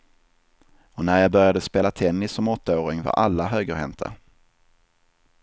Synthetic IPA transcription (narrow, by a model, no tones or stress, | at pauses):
ɔnæɾjaːbœɾjad̪əspeːlat̪ʰɛnːɪsːɔmɔt̪ːaoːɾɪŋva̰ɾʔa̰lːaɦøːɡəhɛnt̪ʰa̰